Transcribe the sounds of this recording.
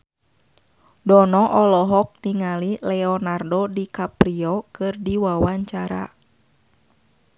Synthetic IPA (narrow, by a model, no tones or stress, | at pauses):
dɔnɔʔɔlɔɦɔk̚niŋalilɛɔnardɔdikapɾiɔkɨrdiwawaɲt͡ʃaɾa̰